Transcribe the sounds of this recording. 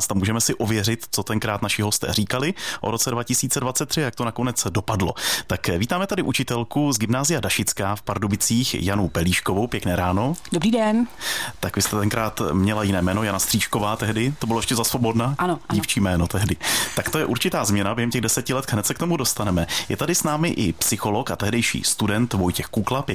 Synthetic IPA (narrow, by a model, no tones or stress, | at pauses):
st̪amuːʒɛmɛsɪʔovjɛr̝ɪt̪t͡sot̪ɛŋkɾaːt̪naʃɪɦo̞st̪ɛ̰ːriːkalɪʔoɾo̞t͡sɛdvacɪsiːt͡sɛdvat̪t͡sɛt̪ːr̥ɪjak̚t̪onako̞nɛt͡sdo̞padlot̪akviːt̪aːmɛt̪adɪʔut͡ʃɪt̪ɛlkuzɡɪmnaːzɪjadaʃɪt͡skaːfpaɾdobɪt͡siːxjanowpɛliːʃkovowpjɛknɛːɾaːno̞dobɾiːdɛnt̪akvɪst̪ɛt̪ɛŋkɾaːt̪mɲɛlajɪnɛːmɛːno̞janast̪r̝̥iːt͡ʃko̞vaːt̪ɛɦdɪt̪obɪlojɛʃcɛzasvo̞bo̞dnaanoɟiːft͡ʃiːmɛːnot̪ɛɦdɪt̪akt̪o̞jɛʔuɾt͡ʃɪt̪aːzmɲɛnabjɛɦɛmcɛɣdɛsɛcɪlɛt̪ɦnɛt̪sɛkt̪o̞mudo̞st̪anɛmɛjʔɛ̰t̪adɪsnaːmɪʔɪpsɪxo̞lo̞kat̪ɛɦdɛjʃḭːst̪udɛnt̪vo̞jcɛxkuklapɛ